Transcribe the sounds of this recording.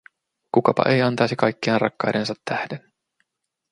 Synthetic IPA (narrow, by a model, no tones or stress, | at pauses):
kukɑpɑ̰ʔe̞jɑnt̪ɑjsikɑjkːiɑnrɑ̰kːɑjde̞nsɑt̪ːæhden